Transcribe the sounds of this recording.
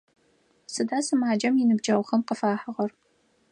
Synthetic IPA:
sɨdaːsɨmaːd͡ʒɐmjɪnɨbd͡ʒɐwʷχɐmqəfaːħəʁɐr

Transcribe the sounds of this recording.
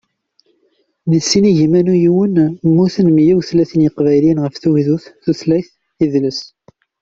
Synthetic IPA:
ðisːiniʝimænujiwənmːuθənmjiwθlæθənjəqvæjlinʁəfθuwiðuθθuθlæθ | iðləs

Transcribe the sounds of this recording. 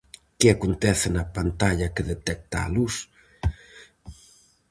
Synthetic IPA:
keakont̪ɛθɪnɐpant̪aʎɐkeðet̪ɛk̚t̪a̰ːlus

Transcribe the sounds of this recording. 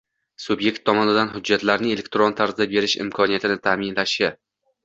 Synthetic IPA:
sʊbje̞k̚ʲt̪ʰːɒmɒnɪd̪anɦʊd͡ʒːat̪laɾnɪe̞lʲe̞kʲt̪ɾo̞nt̪ʰaɾzɪd̪abe̞ɾɪʃɪ̰mkʰɒnijat̪ʰɪnɪt̪ʰaːmɪnlaʃɪ

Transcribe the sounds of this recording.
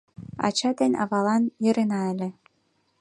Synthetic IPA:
ɑ̰t͡ɕɑd̪enʲɑ̰βɑlɑnjɤ̆ɾenɑĕlʲĕ

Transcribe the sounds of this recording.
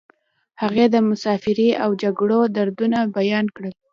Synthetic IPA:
haɣed̪əmʊsɑfɪɾiʔawd͡ʒaɡɽod̪aɾd̪unabajɑnkɽəl

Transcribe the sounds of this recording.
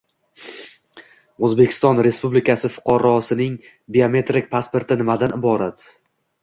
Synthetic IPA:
ɵzbe̞kʲʰɪ̥st̪ɒnɾe̞spublɪkʲʰasɪfʊ̥qʰɑɾɒsɪnɪŋ | biome̞t̪ɾɪk̚ʲpʰaspo̞ɾt̪ɪnɪmad̪anɪbɒɾat̪

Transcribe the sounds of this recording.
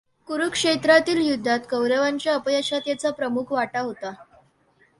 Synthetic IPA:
kuɾukʂet̪ɾat̪iːljud̪ʱːat̪kəwɾəʋaɲt͡ɕjaəpəjəɕat̪jat͡sapɾəmukʰʋaʈaɦot̪a

